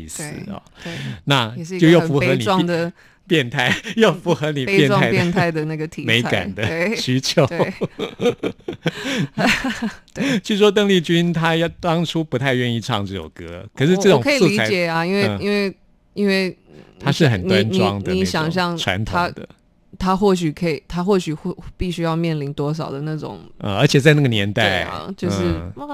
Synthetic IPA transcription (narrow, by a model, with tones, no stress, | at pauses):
i˥˧˩sɹ̩̰˨˩ɔ̰˨˩na˥˨ɛ˨ʂ̩˧jo˥˧ʊjo˥˩ʊfu˧˥xɤ˧˦ni˨ɑ˥ŋd̪ə˨ | pjɛ˥˧nt̪ʰa˥˩ɪjo˥˩ʊfu˧˥xɤ˧˥ni˨˩˧jɛ˥˧nʰ˥˧ɪjɛ˥˧nt̪ʰa˥˩ɪd̪ə˨na˥˩ɡə˩t̪ʰi˨me˧˥ɪ˥ka̰˨˩nnd̪ə˦e˥˩ɕy˥t͡ɕʰjo˨˧˦e˥˩ | t͡ɕʂ̩˥˩ʂwɔ˥t̪ə˥˧ŋli˥˩t͡ɕy˥nt̪ʰa˥jɑ˥˩t̪ɑ˥ŋʈ͡ʂʰu˥pu˧˥t̪ʰa˥˧ɪɥɛ˥˧ni˥˧ʈ͡ʂʰɑ˥˧ŋʈ͡ʂɻ̩˥˩jo˨˩ʊkɤ˥kʰɤ˨˩ʂɻ̩˥˧ʈ͡ʂɤ˥˩ʈ͡ʂʊ˧˨ŋkʰə˧˥i˨su˥˧lt͡sʰa˧˥t͡ɕt͡ɕjɛ˨˩ɐ˧i˥nwe˥˧ɪ˧i˥nwe˥˩ɪ | i˥nwe˥˩ɪ | t̪ʰa˥ʂɻ̩˥˩xə˨˩nna˦˥nnʈ͡ʂ̪iwɑ̰˥˧ŋd̪ə˧i˧˥˧ɕjɑ˨˩ŋɕ̬jɑ˥˧ŋʈ͡ʂʰwa̰˧˥nt̪ʰoa˩˥d̪ə̰˦ | t̪ʰa˥xwɔ˥˩ɕ̬y˨˩kʰɤ˧˥i˨˩t̪ʰa˥xwɔ˥˩ɕy˨˩xpi˥˩ɕy˥jɑ˥˧ʊmjɛ˥˩nli˧˥nt̪wɔ˥ʂ̬ɑ˨˩ʊd̪ə˦na˥˩ʈ͡ʂʊ̰˨˩˦ŋə̰˧ə˞˧˥t͡ɕʰjɛ˨˩t͡sa˥˧ɪna˥˩ɡə˩njɛ̰˧˥nt̪a˥˩ɪɐ̰˩t͡ɕjo˥˧ʊʂɻ̩˥˩